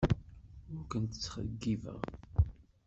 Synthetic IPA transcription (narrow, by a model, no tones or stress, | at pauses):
ʊɾkənt̪ə̥t͡sːχə̰ɡːivə̰ʁ